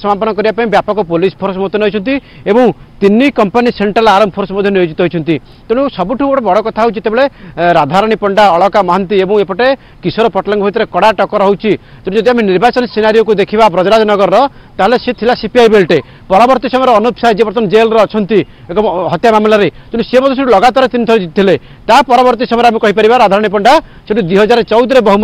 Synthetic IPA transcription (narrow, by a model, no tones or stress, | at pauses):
sɔmapɔnɔkɔɾibapaĩbjapɔkɔpolispʰoɾsɔmɔd̪ʱjɔnɦojt͡ʃʰɔnt̪i | ebɔw̃t̪inikɔmpaniseɳʈɾalaɾɔmɔpʰoɾsɔmɔd̪ʱjɔnijod͡ʒit̪ɔɦɔjt͡ʃʰɔnt̪i | t̪uɽ̃iusɔbuʈʰupɔʈebɔɽɔkɔt̪ʰaɦowt͡ʃit̪ebeɭeɾad̪ʱaɾɔɽ̃ipɔɳɖaɔɭɔkamɔɦant̪iebɔ̃ŋ̃epɔʈe | kisɔɾɔpɔʈlaŋɡɔbʱit̪̬ɔɾekɔɽaʈɔkɔɾɔɦuwt͡ʃʰi | t̪uɽ̃d͡ʒɔd̪iameniɾbat͡ʃɔnsenaɾijɔkud̪ekʰibapɾɔd͡ʒɾad͡ʒɔnɔɡɔɾɾɔ | t̪aɦeleset̪ʰilasipiajbelʈe | pɔɾabɔɾt̪isɔmɔjɔɾɔːnupsajd͡ʒepɾɔt̪ɔnd͡ʒelɾeɔt͡ʃʰɔnt̪i | ekɔɦɔt̪jamamlaɾet̪uɽ̃isebɔd̪ɔs̬uʈulɔɡat̪aɾet̪init̪ʰɔɾed͡ʒit̪̚t̪ʰile | t̪apɔɾabɔɾt̪isɔmɔjɾeamekɔɦipaɾibaɾad̪ʱaɾɔɽ̃ipɔɳɖaseʈud̪wiɦɔd͡ʒaɾɔt͡ʃɔwd̪ɾebɔɦum